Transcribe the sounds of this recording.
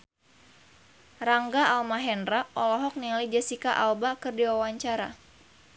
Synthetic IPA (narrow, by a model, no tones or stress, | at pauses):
raŋɡaalmaɦɛndraʔɔlɔɦɔk̚nilajd͡ʒasikaʔalbakɨrdiwawaɲt͡ʃaɾa̰